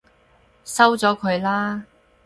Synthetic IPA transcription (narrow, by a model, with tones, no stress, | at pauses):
sɐ˥wt͡sɔː˨˥kʰɵ˨˧ɥlaː˥